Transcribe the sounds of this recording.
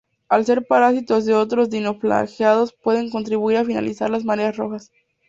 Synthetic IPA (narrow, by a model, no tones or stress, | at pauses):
alse̞ɾpaɾasit̪o̞zðe̞o̞t̪ɾo̞zðino̞fla̰xjað̞o̞spwe̞ðe̞ŋk̬o̞nt̪ɾiβuiɾafina̰lisa̰ɾlazmaɾeasro̞̰xas